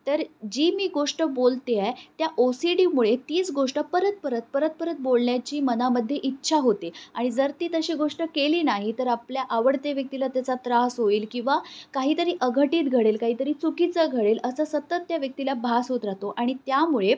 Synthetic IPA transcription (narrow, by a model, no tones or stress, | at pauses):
t̪əɾd͡ʑiːmiːɡoʂʈəbolt̪eat̪jaʔosiɖiːmuɭet̪iːt͡sɡoʂʈəpəɾət̪̚pəɾət̪̚pəɾət̪̚pəɾət̪̚bolɳjat͡ɕiːmənaməd̪ʱːjeʔitːɕʰaɦot̪eaɽ̃id͡zəɾt̪iːt̪əɕiːɡoʂʈəkeliːnaɦit̪əɾapljaʔaʋəɽt̪eʋjək̚t̪ilat̪jat͡sat̪ɾasɦoiːlkĩw̃ʋakaɦiːt̪əɾiːʔəɡʱəʈiːt̪ɡʱəɽelkaɦiːt̪əɾiːt͡sukit͡səɡʱəɽeləsəsət̪ːət̪ːjaʋjək̚t̪ilabʱasɦot̪ɾaɦt̪oʔaɽ̃it̪jamuɭe